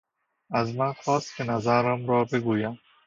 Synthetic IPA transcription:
azmanxɔːst̪̚kʰʲenazaɾamɾɒːbeɡuːjam

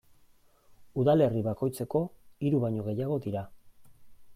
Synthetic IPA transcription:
uðale̞riβako̞jt͡se̞ko̞iɾuβaɲo̞ɣ̞e̞jaɣ̞o̞ðiɾa

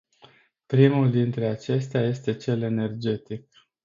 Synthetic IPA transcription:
pɾimuld̪int̪ɾe̞at͡ʃe̞st̪eaje̞st̪e̞t͡ʃe̞le̞ne̞rd͡ʒe̞t̪ik̚

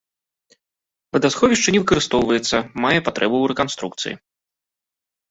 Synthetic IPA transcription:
vɨd̪asxɔvʲiʂt͡ʂɐnʲɛvɨkɐɾɨst̪ɔwvɐjɛt̪sːɐmajɛpat̪ɾʔɛbuːɾɛkanst̪ɾuk̚t̪sɨ̰jḭ

